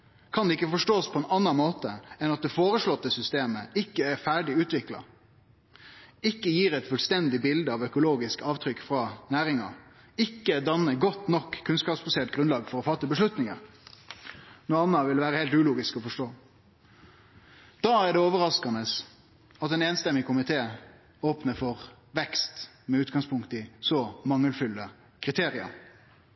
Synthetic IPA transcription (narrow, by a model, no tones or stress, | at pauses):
kʰɑnd̪ɛɪkːəfɔʂʈoːspʰɔɛnɑnːɑnmoːt̪əɛnɑt̪̚d̪ɛfoːɾəʂɭɔt̪ːəsʏst̪eːməɪkːəæɾfæːɖɪʉːt̪ʋɪklɑ̰ | ɪkːəjiːɾɛt̪fʉlst̪ɛnd̪ɪbɪld̪əɑʋœkʊloːɡɪskɑːʋt̪ʰɾʏkːfɾɑnæːɾɪŋɑ̰ | ɪkːəd̪ɑnːəɡɔt̪ːnɔkʰːʉnskɑːpsbɑseːt̪̚ɡɾʉnlɑːɡfɔɾɔfɑt̪ːəbəʂlʉt̪nɪŋəɾ | nuːɑnːɑʋɪlʋæːɾəheːlt̪ʉːluːɡɪskɔfɔʂʈoː | d̪̥ɑːæɖɛoːʋəɾɑskɑnəs | ɑt̪ɛːneːnst̪ɛmːɪkʊmɪt̪ʰeː | oːpnəfɔʁ | ʋɛkst̪ | mɛʉːt̪ɡɑŋspʰʊŋkt̪ɪsɔmɑŋːəlfʉlːə | kʰʁɪt̪ʰeːɾɪə̰ɾ